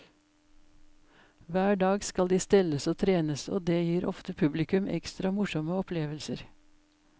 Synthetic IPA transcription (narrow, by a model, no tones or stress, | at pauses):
ʋæːɖɑːɡskɑld̪iːst̪ɛləsoːt̪ʰɾeːnəso̰ːd̪eːjiːɾʔɔ̰ft̪əpʰʉblɪkʉmʔɛ̰kst̪ɾɑmʊʃɔməɔpʰleːʋəlsəɾ